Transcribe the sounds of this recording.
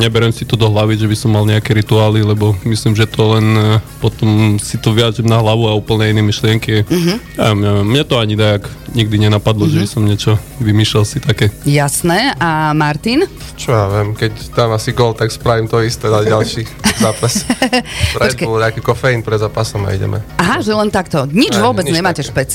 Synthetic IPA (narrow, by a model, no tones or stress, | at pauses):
ɲɛbɛɾɛmsit̪ɔd̪ɔɦlaʋiʒɛbisɔmːalɲɛakɛɾit̪uaːlilɛbɔmislimʒɛt̪ɔlɛnpɔt̪ɔmsit̪ɔʋiaʒimnaɦlaʋuauːpl̩ɲɛinɛmiʃlɪɛŋkiaɦja̰mɲɛɛmːɲɛt̪ɔaɲid̪ajakɲiɡ̚d̪iɲɛnapad̪lɔʒɛbisɔmɲɛt͡ʃɔʋimiːʃlɛlsit̪akɛːjasnɛʔamaɾt̪in | t͡ʃɔjaːʋɛmkɛcd̪aːmasiɡɔlt̪akspɾaʋimt̪ɔist̪ɛaɟalʃizaːpas | ɾaɔdkɛulakikɔfɛinpɾɛd̪zaːpasɔma̰ḭɟɛ̰mʔɛ̰aɦaʒɛlɛnt̪akt̪ɔɲid͡ʒʋʊɔbɛd͡zɲɛmaːcɛʃpɛt͡s